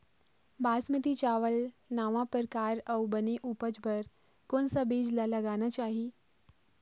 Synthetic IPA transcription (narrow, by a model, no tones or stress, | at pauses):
bʱasmət̪it͡ɕaʋəlnaʋãpəɾkaɾəwbəneʔupəd͡ʒbʱəɾ | konsabid͡ʒlaləɡanat͡ɕaɦi